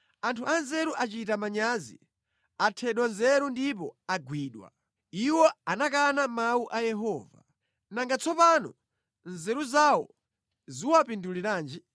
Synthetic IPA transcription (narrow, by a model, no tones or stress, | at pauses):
antʰuʔanzɛɾuʔat͡ʃitamaɲazḭ | atʰɛɗwanzɛɾundip̬ɔaɡwiːɗwa̰ | iwɔanak̬anamauʔajɛɦɔːva̰ | naŋɡat͡sʰɔpanɔ̰ | nzɛɾuzawɔ̰ | ziwapinduliɾaːnd͡ʒi